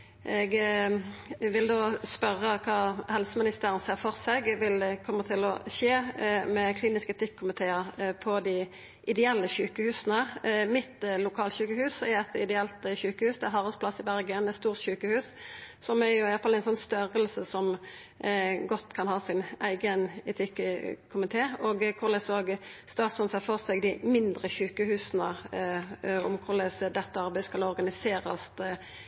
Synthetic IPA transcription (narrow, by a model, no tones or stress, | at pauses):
ʔɛɡ | ʋɪld̪oːspœʁːəkʰɑːhɛlsəmɪnɪst̪eːɾɪənseːʁfɔʁsɛɡʋɪlkʰɔmːət̪ʰɪlɔ̰ʃeːmɛkʰliːnɪskəɛt̪ʰɪkkʰːʊmɪt̪ʰeːəɾpʰɔd̪ɪ | ʔɪd̪ɛɛlːəçʉːkəhʉːsənəmɪt̪lʊkʰɑːlçʉːkəhʉːsɛɛt̪ɪd̪ɛɛlt̪çʉːkəhʉːsd̪ɛæɦɑːʁəsplɑsɪbæɾɡənɛt̪st̪uːʁt̪ɕʉːkəhʉːssɔmæɾjʊɪɑlfɑlɛɪnsɔnːst̪œɾəlsəsɔm | ɡɔt̪ːkʰɑnhɑːsɪnæ̰ɪɡənɛt̪ʰɪkkʰʊmɪt̪ʰeːoːɡkʰʊʁlɛsoːɡst̪ɑːt̪sʉnsɛfoʁsɛɡd̪ɪmɪnd̪ʁəçʉːkəhʉːsnə | ʊ̰mkʰʊʁlɛsd̪ɛt̪ːəɑɾbæɪskɑlɔɾɡɑnɪseːɾə̰st̪